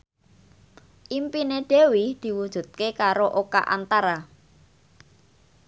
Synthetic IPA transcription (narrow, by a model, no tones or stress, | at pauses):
ʔimpineɖ̥e̤wid̪̥i̤wud̥ʒ̥ṳt̪̚kekaɾoʔoka̰ʔa̰nt̪aɾa